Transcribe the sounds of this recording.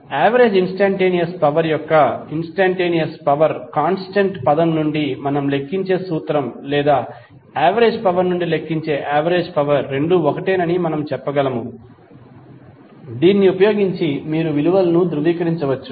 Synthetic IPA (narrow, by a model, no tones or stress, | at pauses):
aːʋɐɾeːd͡ʒinsʈaːɳʈeːnijɐspɐʋɐɾjɔkːɐinsʈaːɳʈeːnijɐspɐʋɐɾkaːnsʈɐɳʈpɐd̪ɐmnuɳɖimɐnɐmle̞kːiɲt͡ʃe̞ːsuːt̪ɾɐmlɛːd̪aː | aːʋɐɾeːd͡ʒpɐʋɐɾnuɳɖile̞kːiɲt͡ʃe̞ːʔaːʋɐɾeːd͡ʒpɐʋɐɾːe̞ɳɖuɔkɐʈeːnɐnimɐnɐmt͡ʃɛpːɐɡɐlɐmu | d̪iːnːiupɐjoːɡiɲt͡ʃimiːɾuʋiluʋɐlɐnud̪ɾuʋiːkɐɾiɲt͡ʃɐʋɐt͡ʃːu̥